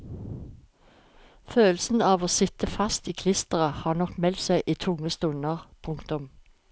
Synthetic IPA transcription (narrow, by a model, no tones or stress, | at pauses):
føːlsn̩ɑːʋoːsɪt̪əfɑst̪iːkʰlɪst̪əʁəhɑːnɔkmɛlt̪sæɪʔiːt̪ʰʊŋəst̪ʉnəʁpʰʊŋkt̪ʊm